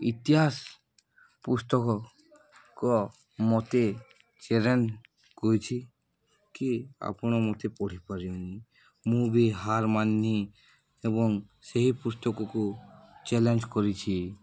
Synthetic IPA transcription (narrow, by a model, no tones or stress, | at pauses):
ḭt̪iɦas | pust̪ɔkɔ | kɔ | mɔt̪e | t͡ʃeɾen | kojt͡ʃʰi | kia̰pɽ̃ɔmɔt̪epɔɽ̤ipaɾioni | mũbʱiɦaɾmanːi | ebɔŋseɦipust̪ɔkɔkut͡ʃɛlend͡ʒkɔɾit͡ʃʰi